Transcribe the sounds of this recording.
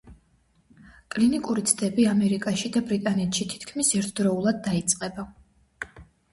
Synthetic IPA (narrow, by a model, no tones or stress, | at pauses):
kʼlinikʼuɾit̪sʰd̪ɛbiamɛɾikʼaʃid̪abɾit̪ʼanɛt̪ʃit̪ʰi̥t̪ʰkʰmisɛɾt̪ʰd̪ɾɔulˠad̪̚ːait̪sʼqʼɛba